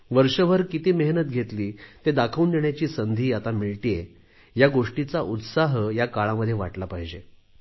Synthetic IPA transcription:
ʋəɾʂəʋ̤əɾkit̪iːməɦnət̪̚ɡʱet̪liːt̪ed̪akʰəund̪eɳjat͡ɕiːsənd̪ʱiːat̪amiɭʈije | jaɡoʂʈit͡saʔut̪saɦəjakaɭaməd̪ʱːjeʋa̰ʈlapaɦid͡ʑe

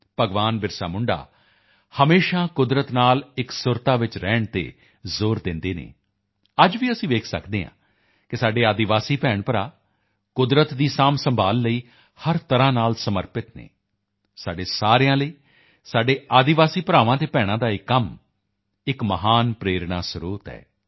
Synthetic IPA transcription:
pəɡʋaːnbɪɾsa̰ːmʊɳɖa̰ː | həmeːʃaːkʊd̪ɾət̪naːlɪksʊɾt̪aːʋɪt͡ʃɾɛːɳt̪ḛː | zoːɾd̪ɪnd̪eːnḛː | əd͡ʒʋiːəsĩːʋeːkʰsə̰kd̪eːɦã̰ː | kɪsaːɖeːaːd̪ɪʋaːsiːpɛːɳpəɾaː | kʊd̪ɾət̪d̪iːsaːmsəmbʱaːlːəiː | həɾt̪əɾãːnaːlsəməɾpɪt̪nḛː | saːɖeːsaːɾejãːləiː | saːɖeːaːd̪ɪʋaːsiːpəɾaːʋãːt̪eːpɛːɽ̃ãːd̪aːɪkːəm | ɪkməɦaːnpɾeːɾɳaːsɾuːt̪ɛ̰ː

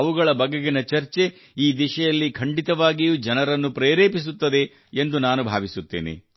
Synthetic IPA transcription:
ɐʋuɡɐɭɐbɐɡeɡinɐt͡ʃɐɾt͡ʃe̞ | iːd̪iʃɐjɐlːikʰɐɳɖit̪ɐʋaːɡijuːd͡ʒɐnɐɾɐnːupɾeːɾeːpis̬ut̪ːɐd̪e̞ː | nd̪unaːnubʱa̰ːʋisut̪ːḛːnḛ

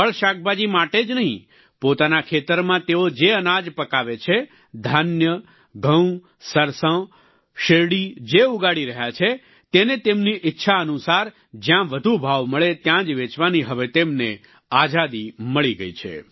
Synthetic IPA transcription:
ɦəɭʃak̚ʰbad͡ʒimaʈed͡ʒnəɦḭ̃ | pot̪anakʰet̪əɾmãt̪eod͡ʒeənad͡ʒpəkaʋet͡ʃʰe | d̪ʱanjə | ɡʱə̃w̃ | səɾsə̃ | ʃeɽid͡ʒeuɡaɽiɾəɦjat͡ʃʰe | t̪enet̪emniʔɪtːʃʰaənusaɾ | d͡ʒjãʋəd̪ʱubʱaʋməɭet̪jãd͡ʒʋet͡ʃʋaniɦəʋet̪emne | ad͡ʒad̪iməɭiɡəit͡ʃʰḛ

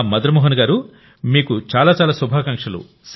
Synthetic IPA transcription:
mɐd̪ɐɾɐmɔːɦɐnɡaːɾu | miːkut͡ʃaːlaːt͡ʃaːlaːsubʱaːkɐŋkʂɐlṵ | s

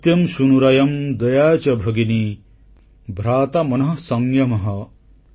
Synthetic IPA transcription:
t̪jɐmʃunuɾɐjɐmd̪ɐjaːt͡ʃɐbʱɐɡini | bʱɾaːt̪ɐmɐnɐɦɐsɐŋjɐmɐɦɐ

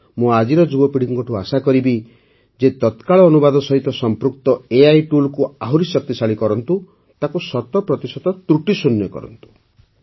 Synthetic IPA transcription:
mũad͡ʒiɾɔd͡ʒubɔpiɽ̤ikɔŋkɔʈʰuasakɔɾibi | d͡ʒet̪ɔt̪kaɭɔːnubad̪ɔsɔɦit̪ɔsɔmpɾuk̚t̪ɔeajʈulkuaɦuɾisɔk̚t̪isaɭikɔɾɔnt̪u | t̪akusɔt̪ɔpɾɔt̪isɔt̪ɔt̪ɾuʈisunjɔkɔ̰ɾɔ̰nt̪u̥

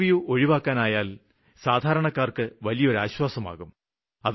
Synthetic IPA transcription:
ijuʔoɻiʋaːkːaːnaːjaːl | saːd̪ʱaːɾɐɳɐkːaːrkɨʋɐlijɐo̞ɾaːɕwaːsɐma̰ːɣum | ɐð

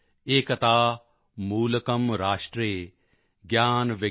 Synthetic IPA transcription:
eːkɐt̪aː | muːlɐkɐmɾaːʂʈɾeː | ɡjaːnʋɪ

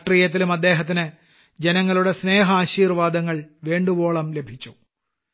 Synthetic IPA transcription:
ʈrijɐt̪̬ːilumɐd̪ːe̞ːɦɐt̪ːinɨ | d͡ʑenɐŋːɐɭuɽe̞sne̞ːɦɐaːɕiːrʋaːd̪ɐŋːɐɭʋeːɳɖubo̞ːɭɐmle̞bʱit͡ɕːu

